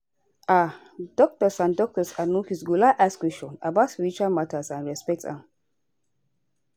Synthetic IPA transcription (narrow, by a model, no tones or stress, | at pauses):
a | d̥ɔk̚tɔsãndɔk̚tɔsanuhisɡulaʔaskwɛst͡ʃɔ̃na̰basɹit͡ʃamatasãnɹɛspɛk̚tã̰m